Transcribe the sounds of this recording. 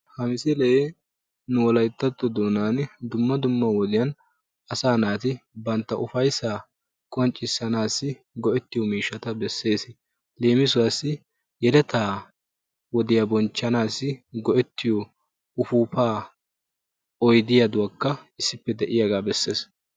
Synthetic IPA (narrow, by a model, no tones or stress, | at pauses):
hɐmɪsɛlɛje | nʊwɔlɐjt̪ːɐt̪ːɔd̪oːnaːnd̪ʊmːɐd̪ʊmːɐwɔd̪ɪjɐn | ɐsaːnaːt̪ɪbɐnt̪ːɐʔʊfɐjsaː | kʼɔnt͡ʃʼːɪsːɐnaːsːɪ | ɡɔʔɛt̪ːɪjɔmiːʃɐt̪ɐbɛsːe̞ːs | le̞ːmɪsʊwɐsːɪ | jɛlɛt̪aː | wɔd̪ɪjɐbɔnt͡ʃːɐnaːsːɪɡɔʔɛt̪ːɪjɔ | ʊfuːpaː | ɔjd̪ɪjad̪ʊwɐkːɐɪsːɪpːɛd̪ɛʔɪjɐɡaːbɛsːe̞ːs